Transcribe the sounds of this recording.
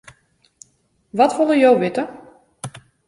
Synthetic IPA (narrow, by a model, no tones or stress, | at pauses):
ʋɔtʋolˠəjowʋɪtə